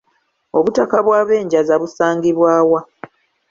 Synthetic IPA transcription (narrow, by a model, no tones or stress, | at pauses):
o̞βutakaβwaːβe̞ːɲɟazaβusaːŋɡiβwaːwa